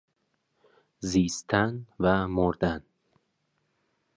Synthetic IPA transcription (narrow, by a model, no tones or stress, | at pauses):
zist̪ʰanvamuɾd̪an